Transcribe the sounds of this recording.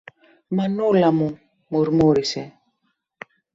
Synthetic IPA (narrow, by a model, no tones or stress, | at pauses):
manulamu | moɾmoɾisɛ